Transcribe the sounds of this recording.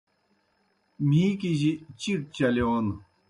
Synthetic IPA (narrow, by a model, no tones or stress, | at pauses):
mikiʑit͡ɕirt͡ɕalewan